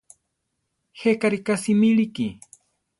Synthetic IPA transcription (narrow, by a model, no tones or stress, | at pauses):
hekaɾikasimiliki